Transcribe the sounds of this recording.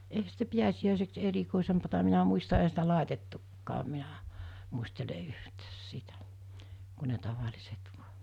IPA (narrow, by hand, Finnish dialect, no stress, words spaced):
eihæ sitæ piæsiæˑiseks erikoˑisempɑtɑ minæ muistɑ ehæ sitæ lɑˑetetːukːɑːm minæ muistele yhtæːs sitæ ku ne tɑʋɑlʲiset ʋuɑ̥